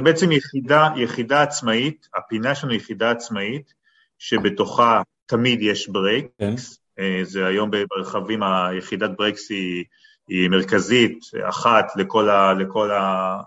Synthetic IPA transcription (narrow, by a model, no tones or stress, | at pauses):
beet͡semjeχidajeχidaːt͡smait̪apinaeʃlanujeχidaːt͡smait | ʃe̞be̞to̞χa | tamidjeʃbʁeks | ezeajo̞mbebeʁeχavimajeχidat̚bʁeksiː | me̞ʁkazita̰χatleko̞laleko̞la